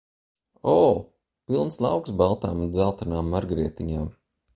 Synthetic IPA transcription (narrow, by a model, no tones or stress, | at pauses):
ɔː | pilˠnslˠɑ̰wksbalˠt̪aːmund̪zalˠt̪anaːmːaɾɡɾiɛt̪iɲaːm